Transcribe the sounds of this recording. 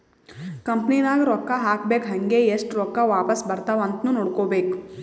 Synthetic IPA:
kɐmpninaːɡɾɔkːaɦaːkbekɦɐŋɡeesʈɾɔkːaʋaːpɐsbɐɾt̪aʋɐnt̪nuːnoːɽkoːbeːku

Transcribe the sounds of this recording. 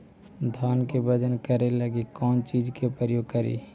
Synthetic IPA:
d̪ʱaːnkebəd͡ʒənkəɾeləɡikɔːnt͡ʃid͡ʒkepɾəjoːɡ̚kəɾḭː

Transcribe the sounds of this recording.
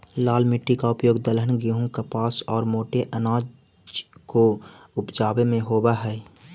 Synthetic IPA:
laːlmɪʈːikaʊpjoːɡd̪əlɦənɡiɦũkapaːsɔːɾmoːʈeʔənaːd͡ʒ | d͡ʒko | ʊpd͡ʒaːbemẽɦoːbaɦɛː

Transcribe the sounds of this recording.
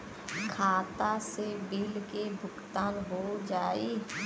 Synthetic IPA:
kʰaːt̪aːsebɪlkebʱʊkt̪ãːlɦoːd͡ʒaːiː

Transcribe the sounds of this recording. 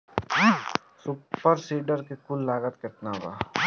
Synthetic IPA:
supəɾsiːɖəɾkekʊlːaːɡət̪kɪt̪naba̰ː

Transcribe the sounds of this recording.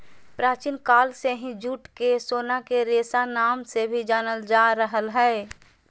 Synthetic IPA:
pɾaːt͡ʃinkaːlseɦĩd͡ʒuːʈkesoːnakeɾeːsanaːmsebʱid͡ʒaːnəld͡ʒaɾəɦəlɦɛː

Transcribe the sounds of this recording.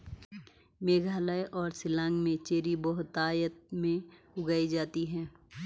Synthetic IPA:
meːɡʱaːləeʔɔːɾsɪlãːŋɡmẽt͡ʃeːɾibɔɦʊt̪ːaːjət̪̚mẽ | ʊɡaːid͡ʒaːt̪iɦɛ̃ː

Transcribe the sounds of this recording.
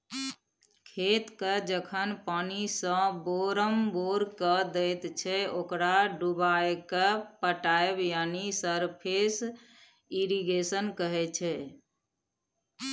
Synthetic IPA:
kʰet̪ked͡ʒəkʰənpanisə̃boɾəmboɾkəd̪ɛjt̪t͡ʃʰɛokɾaɖubajkepəʈaebjanisəɾpʰes | iɾiɡesənkəɦɛt͡ʃʰɛ

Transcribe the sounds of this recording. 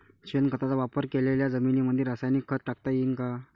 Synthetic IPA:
ɕenkət̪at͡saʋapəɾkeleljad͡zəminiməd̪ʱjeɾasajnikʰːət̪̚ʈak̚t̪ajinka

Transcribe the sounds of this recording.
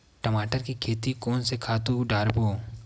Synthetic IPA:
ʈəmaːʈəɾkikʰeːt̪ikɔːnsekʰaːt̪uɖaːɾboː

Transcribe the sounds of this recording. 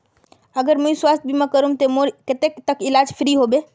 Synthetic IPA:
əɡəɾməĩswast̪̚ʰbʱimakəɾut̪omoɾket̪ekt̪əkilad͡ʒpʰɾiɦobe

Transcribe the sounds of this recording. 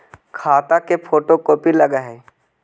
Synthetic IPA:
kʰaːt̪akepʰoːʈokopilɐɡaɦɛ

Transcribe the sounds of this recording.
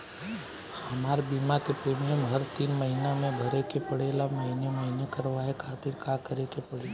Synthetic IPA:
hɐmaːɾebiːmakepɾeːmijəmɦɐɾt̪iːnməɦinamẽbʱɐɾekepəɽeːlamɐɦinemɐɦinekəɾʋaɦekʰaːt̪ɪɾkaːkəɾekepɐɽe

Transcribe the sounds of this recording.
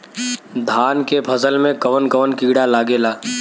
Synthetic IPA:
d̪ʱaːnkepʰɐzəlmẽkəʋənɡəʋənkiːɽalaːɡeːlaː

